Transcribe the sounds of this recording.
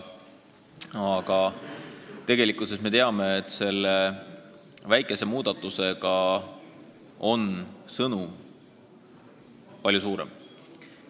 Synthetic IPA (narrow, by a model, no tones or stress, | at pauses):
ɑɡ̥ɑ | t̪e̞ɡ̥e̞likːˑusesme̞t̪e̞ɑme̞ːt̪ːˑse̞lːe | væjkːˑe̞se̞muːd̪̥ɑt̪ːˑuse̞ɡ̥ɑ | o̞nsɤnum | pɑlʲjusuːɾe̞̰m